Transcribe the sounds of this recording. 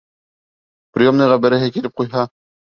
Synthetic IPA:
prʲijomnɤʁæbɘ̆ɾɘɦɘkilɘp̚qujɦɑ

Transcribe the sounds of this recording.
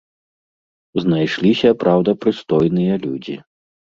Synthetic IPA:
znajʂlʲisʲɐpɾawd̪ɐpɾɨst̪ɔjnɨjɐlʲṵd͡zʲḭ

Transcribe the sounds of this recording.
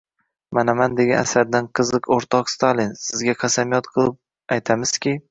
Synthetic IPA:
manamand̪eɡʲana̰saɾd̪anqʰɨzɨqoɾt̪ʰɒqst̪ʰalɪnsɪzɡʲaqʰɑsamijɒt̪̚qʰɨlˠɪp̚ | ajt̪ʰamɪz̥kʲi

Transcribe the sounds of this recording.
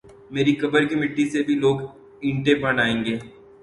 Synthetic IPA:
meːɾikɐbəɾkimɪʈːisebʱiloːɡ | ɪ̃ɳʈẽpɐɖaːẽːŋ̆ɡeː

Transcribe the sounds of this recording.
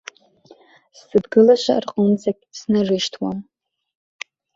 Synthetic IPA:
sːɨdɡɨlaʃʷa̰rqʼʊnt͡sakʲʼsnarɨʃtʰwam

